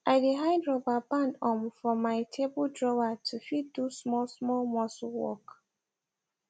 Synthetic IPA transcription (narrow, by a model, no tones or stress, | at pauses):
aɪdeɦaɪdɹɔbabãndɔmfɔmaɪtʰebɔdɹɔwatʰufid̚dusmɔsmɔlmɔsuwɔ̰k